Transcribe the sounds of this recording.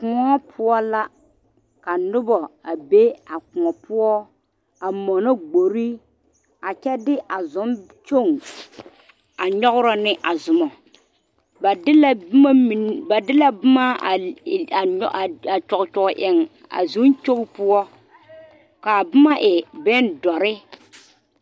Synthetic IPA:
kʊ˨ŋɔ˦pʰʊ˦ɔ˦la˦ | ka˨nʊ˦bɔ˨a˨be˦a˨kʊ˨ŋɔ˨pʊ˦ɔ˦ | a˨mɔ˨nɔ˦ɡ͡bo˨ɾi˦ | a˨t͡ʃɛ˦dɪ˦ʔa˨zʊ˨˦m˦ | t͡ʃo˦˨ŋ | a˨ɲɔ˦ɣʊ˦ɾɔ˦nɪ˦ʔa˨zʊ˨mɔ˨ | ba˨˦lma˦i˨nba˨dɪ˦la˦bʊ˦ma˦˨˦ | a˨t͡ʃɔ˨ɣt͡ʃɔ˨ɡʊ˨ʔɪ˨ŋ | a̰˨zʊ˨˦nt͡ʃo˦ŋ˦pʊ˦ɔ˦ | ka˨bʊ˦ma˦ʔɪ˨bɛ˦ndɔ˨ɾɪ˦

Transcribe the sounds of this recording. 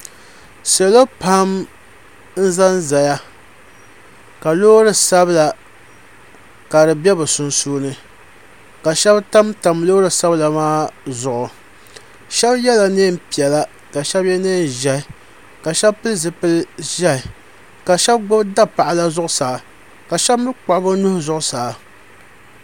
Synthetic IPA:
sɛ˨lo˦pʰa˦m | n̩˦za˦nza˨ja˦ | ka˨loː˦ɾɨ˦sa˦bla˨ | ka˨dɨ˨bʲɛ˦bsʊ˨nsuː˦nɨ˨ | ka˨ʃɛ˦bta˦mta˨mloː˦ɾɨ˨sa˦bla˨maː˦zʊ˨ʔʊ˨ | ʃɛ˦bjɛ˦la˨neː˦m˦pi˨ɛ˨la˦ | ka˨ʃɛ˦bjɛ˦neː˦˨n˨ʒɛ˦ɪ˨ | ka˨ʃɛ˦bpɨ˦lzɨ˨pɨ˦lʒɛ˦ɪ˨ | ka˨ʃɛ˦bɡ͡bʊ˦bda˦pa˨ʔɪ˨la˦zʊ˦ʔʊ˦saː˨ | ka˨ʃɛ˦bmɨ˦k͡pa˨ʔbʊ˦nʊ˦hʊ˦zʊ˦ʔʊ˨saː˨

